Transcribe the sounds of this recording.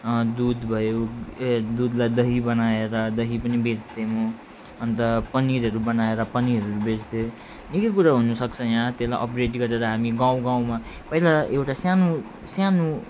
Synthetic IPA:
d̪ud̪bʱʌjo | d̪ud̪lajd̪ʌɦibʌnaeɾʌd̪ʌɦipʌnibed͡zd̪emo | ʌnt̪ʌpʌniɾɦʌɾubʌnaeɾʌpʌniɾʌɾubed͡zd̪e | nikʌkuɾaɦunusʌkt͡sʰʌjãt̪elajʔʌpreʈɡʌɾeɾʌɦamiɡãw̃ɡãw̃mapʌɦilaʔewʈasjanu | sjanu

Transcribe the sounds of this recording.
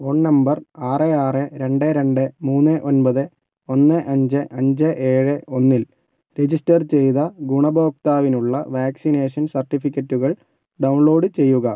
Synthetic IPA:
oɳnɐmbɐraːreaːrɨɾe̞ɳɖeɾe̞ɳɖɨmuːnːɨʔo̞nbɐðɨ | o̞nːɨʔɐɲd͡ʑɨʔɐɲd͡ʑɨʔeːɻɨʔo̞nːil | ɾe̞d͡ʑisʈɐrt͡ɕe̞jðɐɡuɳɐbo̞ːk̚t̪aːʋinuɭːɐ̰ʋaːksine̞ːʂɐnsɐrʈːifikʲːɐtːuɣɐɭ | ɖɐwɳɭo̞ːɖɨt͡ɕe̞jːuɣɐ

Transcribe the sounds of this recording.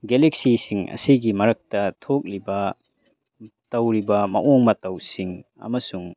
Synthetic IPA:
ɡelek̚sisiŋɐ̰siɡimɐɾɐk̚tɐtʰok̚libɐ | tɐwɾibɐmɐ̰ʔoŋmɐtɐwsiŋ | ɐ̰mɐsuŋ

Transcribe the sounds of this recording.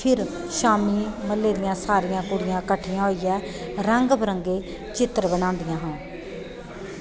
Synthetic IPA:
pʰɪɾ | ʃaːmiːməlːeːɾɪjãːsaːɾijãːkʊɽɪjãːkəʈʰːijãːɦoːiːjɛː | ɾəŋɡbəɾəŋɡeː | t͡ʃɪt̪ɾbənãːnd̪ɪjãːɦãː

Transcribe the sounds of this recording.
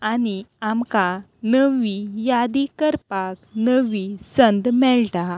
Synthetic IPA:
añiamka | nəʋijad̪ikəɾpaknəʋisənd̪mɛɭʈa

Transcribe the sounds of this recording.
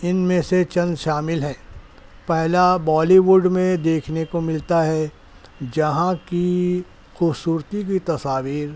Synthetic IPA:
ɪnmẽset͡ʃɐ̃nd̪ʃaːmɪlɦɛ̃ː | pɛɦlabɔːliʋuɖmẽd̪eːkʰnekomɪlt̪aɦɛ | d͡ʒɐɦãki | xʊbsuːɾt̪ik̬it̪ɐsaːʋiːɾ

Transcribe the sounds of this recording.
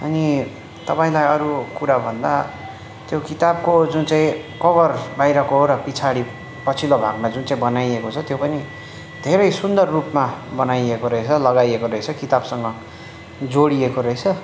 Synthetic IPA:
ʌ̰ni | t̪ʌpaĩlajʌɾukuɾabʱʌnd̪a̰ | t̪jokit̪ab̚kod͡zunt͡sãĩkʌbʌrbajɾʌkoɦoɾʌpit͡sʰaɽi | pʌt͡sʰilobʱaɡmad͡zunt͡saĩbʌnajekot͡sʰʌt̪jopʌni | d̪ʱeɾʌjsund̪ʌrːupmabʌnajekoɾʌɦet͡sʰʌlʌɡajekoɾʌɦet͡sʰʌkit̪absʌŋɡʌ | d͡zoɽiekoɾʌɦet͡sʰʌ

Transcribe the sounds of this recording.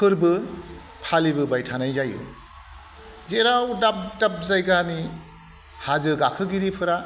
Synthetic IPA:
pʰɯɾbɯ | pʰalibɯbajtʰanajzajɯ̰ | zeɾawdap̚dap̚zajɡani | hazɯɡakʰɯɡiɾipʰɯɾa

